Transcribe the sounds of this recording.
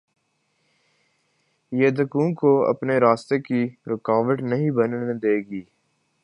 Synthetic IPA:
jeːd̪əkũːkoɐ̰pneɾaːst̪ekiɾɪkaːʋəʈnɐɦĩbɐnd̪eːɡiː

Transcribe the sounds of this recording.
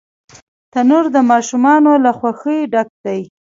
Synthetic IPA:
t̪anuɾd̪əmɑʃumɑnolaxwaxəɖak̚d̪aj

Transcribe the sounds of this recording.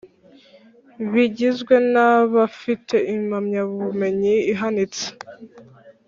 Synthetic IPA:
βiɟizɡwe̞naβafitʰe̞ʔimamɲaβuβume̞ɲiiɦanit͡se̥

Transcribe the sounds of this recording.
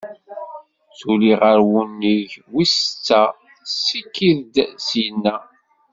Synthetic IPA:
t͡suliʁəɾwunːiʝwist͡sːæ | sikːiðd̪sinːæ

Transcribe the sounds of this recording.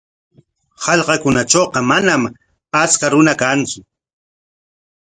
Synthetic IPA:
hɑʎqɑkʊnat͡ʃoːqɑmanam | at͡skaɾʊnakant͡sʊ

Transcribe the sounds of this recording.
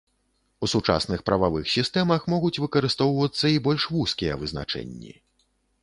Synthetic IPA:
usut͡ʂa̰snɨxpɾɐvavɨxsʲist̪ɛmɐxmɔɣut͡sʲvɨkɐɾɨst̪ɔwvɐt̪sːɐibɔlʲʂvuskʲijɐvɨzna̰t͡ʂɛ̰nʲːḭ

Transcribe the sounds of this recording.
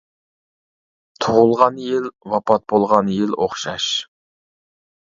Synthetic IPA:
t̪ʰʊʁʊlˠʁɑnjɪlwɑpʰɑt̪̚bolˠʁɑnjɪloχʃɑʃ

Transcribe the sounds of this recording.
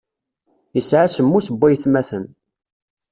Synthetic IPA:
jəsʕasəmːusəbːæjθmæθən

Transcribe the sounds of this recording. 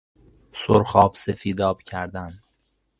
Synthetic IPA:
soɾxɒːb̥sefiːd̪ɒːb̥cʰæɾd̪æn

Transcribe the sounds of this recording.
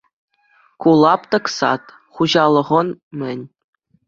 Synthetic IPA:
kulˠɑpt̪ɤ̆ksɑ̰t̪ | χuʑɑlˠɤ̆ʁɤ̆nmʲɘ̆nʲ

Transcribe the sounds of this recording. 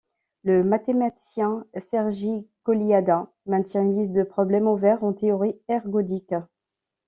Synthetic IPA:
ləmat̪emat̪i̥sjɛ̃sɛʁʒikɔliad̪ɛ̃ | mɛ̃t̪jɛ̃ynlisd̪əpχɔblɛmovɛʁɑ̃t̪eɔʁiɛʁɡɔd̪ik

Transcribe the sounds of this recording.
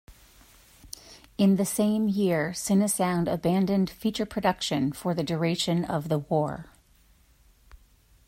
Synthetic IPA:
ɨ̃nðɨsẽɪ̃mjɪɹsɪ̃nɨsãʊ̃ndə̰bæ̃ndɨ̃nd̥fit͡ʃə˞pʰɹ̥ɨdʌkʃɨ̃nfə˞ðɨdə˞eɪʃɨ̃nʌ̰vðəwɔɹ

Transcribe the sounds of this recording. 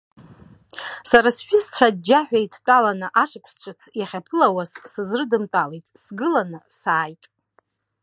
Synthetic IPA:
saɾasħʷᶣist͡ʃʷʰad̚d͡ʒaħᶣajtʰt͡pʼalanɨʔaʂɨkʷʰst͡ʃʷʰʼɨt͡sʰjaχʲapʰɨlawazsɨzrɨdɨmtʼalejtʼsɡɨlanɨsaːjtʼ

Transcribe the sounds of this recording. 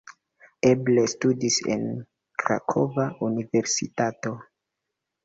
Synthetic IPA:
eblestudise̞̰n | kɾa̰kʰo̞vaunive̞ɾsḭtato̞

